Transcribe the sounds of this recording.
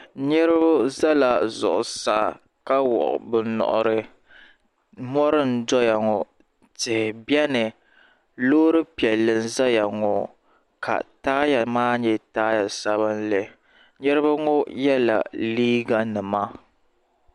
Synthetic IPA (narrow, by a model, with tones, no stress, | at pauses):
ɲɛ˦ɾɨ˦bʊ˦za˦la˨zʊ̰˨ʔʊ˨sa̰˦ | ka˦wɔ̰˨ʔʊ̰˨bɨ˨nɔ̰˨ʔʊ̰˨ɾɨ˦ | mɔ˦ɾɨ˦n̩˨˦dɔ˦ja˨ŋɔ˨ | tɪ˨hɪ˨bjɛ˦nɨ˨ | loː˦ɾɨ˦pi˨ɛ˨lːɨ˨nza˦ja˨ŋɔ˨ | ka̰˨taː˦ja˨maː˦ɲɛ˦taː˦ja˨sa˦βɨ˦nle˨ | ɲɛ˦ɾɨ˦ba˦ŋɔ˦jɛ˦la̰˨liː˦ɡa˦nɨ˨ma˦